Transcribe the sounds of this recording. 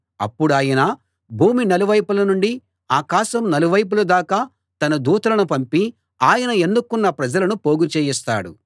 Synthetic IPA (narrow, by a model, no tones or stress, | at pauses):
ɐ̰pːuɽaːjɐnɐ | bʱuːminɐluʋɐjpulɐnuɳɖi | aːkaːʃɐmnɐluʋɐjp̬ulɐd̪aːkaː | t̪ɐnɐd̪uːt̪ɐlɐnupɐmpi | aːjɐnɐe̞nd̪ukːunːɐpɾɐd͡ʒɐlɐnupo̞ːɡut͡ʃeːjist̪a̰ːɽṵ